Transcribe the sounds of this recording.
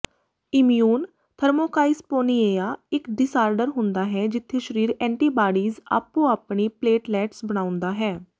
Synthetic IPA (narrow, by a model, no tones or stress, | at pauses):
ɪmjuːn | t̪ʰəɾmoːkaːɪspoːnieːaːɪkɖɪsaːɾɖəɾɦʊ̃nd̪aːɦɛːd͡ʒɪt̪ʰːeːʃəɾiːɾɛ̃ːɳʈiːbaːɽiːza̰ːpːũːaːpniːpleːʈlɛːʈsbəɽ̃ãːʊ̃nd̪aːɦɛː